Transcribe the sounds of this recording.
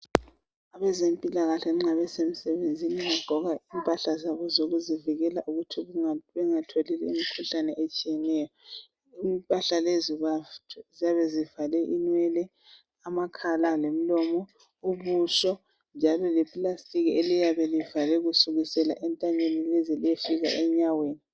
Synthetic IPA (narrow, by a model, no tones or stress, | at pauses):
aβɛzempʼilaɣaɬɛŋ͡ǁŋ͡ǀaβɛsemisɛβend͡zʱiniŋaɡ͡ǃ̥ʱɔɣaimpʼaɬazaβɔzoɣuziviɣɛlaʔuɣutʰiβɛŋatʰolilɛimikʰuɬanɛʔet͡ʃʼijɛnɛjɔ | impʼaɬaleziazijaβɛzivalɛʔinwɛlɛ | amakʰalalem̩lɔmɔ | uβuʃɔ | nd͡ʒʱalɔlɛpʼlastʼiɣielijaβɛlivalɛɣusuɣisɛla̰ʔɛntʼaɲenilezilijefiɣa̰ʔɛɲaweːni